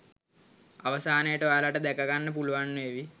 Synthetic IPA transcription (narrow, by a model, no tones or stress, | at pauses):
aʋɐsaːnejəʈəʋaːlaʈəd̪ɛkɐɡanːəpuluʋanːueʋi